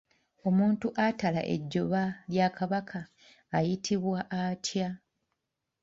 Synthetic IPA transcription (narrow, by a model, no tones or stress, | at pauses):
o̞muːntuʔatala̰ʔḛɟːo̞βaljakʰaβakʰaː | jitʰiβwaʔatja